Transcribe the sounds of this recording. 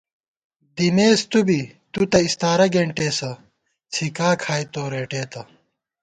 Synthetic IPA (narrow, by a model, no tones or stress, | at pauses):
d̪imeːst̪ubit̪ut̪ɐist̪aːɾɐɡeɳʈeːsɐ | t͡sʰikaːkʰaːjtt̪oːɾeːʈeːt̪ɐ